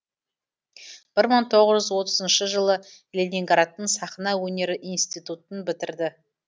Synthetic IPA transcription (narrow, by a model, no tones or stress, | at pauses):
b̥ɪɾməɴt̪ʰo̞ʁəʒʏzwo̞t̪əzənʃəʒəlˠə | lʲenʲiŋɡaɾat̪ːəɴsɑχnɑwɵne̞ɾɪʔinst̪ijt̪ut̪ənbɪt̪ɪɾd̪ɪ